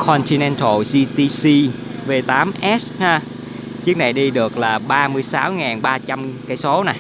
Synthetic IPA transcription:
kʰɔ˧nt̪ʰi˧nɛ˧nt̪ʰo˧˩zi˧t̪i˧si˧ | ve˧t̪aː˨˦mʔɛ˦˥shaː˧ | t͡ɕɨ˦˥ək̚na˨˩jɗi˧ɗɨ˨˩ək̚laː˨˩ɓaː˧mɨ˧əjsaː˨˦wŋaː˨˩nɓaː˧t͡ɕa˧mkaː˨˩˦jso˨˦na˨˩j

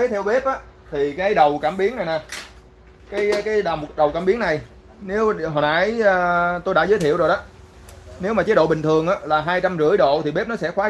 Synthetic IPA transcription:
e˨˦t̪ʰɛ˧wɓe˦˥p̚ʔaː˨˦t̪ʰi˨˩kaː˨˦ʔə˨˦jɗə˨˩wkaː˧˩mɓi˨˦əŋna˨˩jnaː˨˩ | kaː˨˦jkaː˨˦jɗa˨˩m˨˩t̚ɗə˨˩wkaː˧˩mɓi˨˦əŋna˨˩j | ne˨˦wɦo̰˧˨˩na˧˨˦jəː˧t̪o˧jɗa̰ː˧˥zəː˨˦jt̪ʰi˧˨wzo˨˩jɗɔ˨˦ | ne˨˦wmaː˨˩t͡ɕə˨˦ɗo̰˧˨ɓï˨˩ŋt̪ʰɨ˨˩əŋʔaː˨˦laː˨˩ɦaː˧jt͡ɕa˧mzɨ̰˧˥əjɗo̰˧˨t̪ʰi˨˩ɓe˦˥p̚nɔ˨˦sɛ˧˥xwaː˨˦

